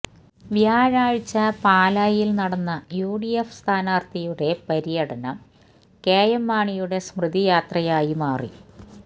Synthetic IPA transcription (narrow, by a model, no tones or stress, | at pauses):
ʋjaːɻaːɻt͡ɕːɐpaːlaːjilnɐɽɐnːɐjuːɽijefst̪ʰaːnaːrt̪ɐjuɽe̞pɐɾijɐɽɐnɐm | keːjɐmːaːɳijuɽe̞smrɨd̪ijaːt̪rɐjaːjimaːrḭ